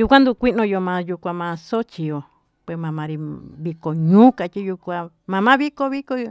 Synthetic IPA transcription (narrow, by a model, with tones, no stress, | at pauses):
ju˧kʷã˦nd̪u˧kʷi˦ʔnõ˧jo˧mã˨˧ju˧kʷã˧mã˧so˦t͡ʃi˧jo˨ | pwe˧˨mã˨˧mã˨˧ɾi˧βi˧ko˨ɲũː˦ka˧t͡ʃi˦ju˧kʷã˧ | mã˨˧mã˦βi˦ko˧βi˦ko˧